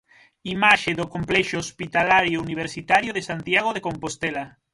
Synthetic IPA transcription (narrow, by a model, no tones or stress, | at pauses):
imaʃeðokompleʃoːspit̪alaɾjouniβ̞eɾsit̪aɾjoðesant̪jaɣ̞oð̞ekompost̪ela